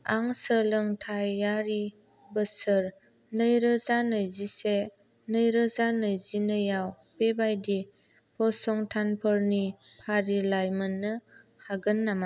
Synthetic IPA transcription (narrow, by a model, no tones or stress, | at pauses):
aŋsəlɯŋtʰajaɾi | bəsəɾ | nɯjɾɯzanɯjzise | nɯjɾəzanɯjzinɯjaw | bebajdi | pʰɔsɔŋtʰanpʰəɾni | pʰaɾilajmənːɯ | haɡɯnːama